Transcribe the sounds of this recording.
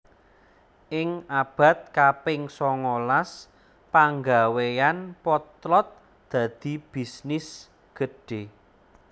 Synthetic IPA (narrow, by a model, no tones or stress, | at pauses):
ʔɪŋab̥a̤t̪̚kapɪŋsɔŋolas | paŋɡawejanpɔt̪lɔt̪̚ | d̪̥ä̤d̪̥i̤b̥i̤snɪs | ɡ̥əɖ̥e̤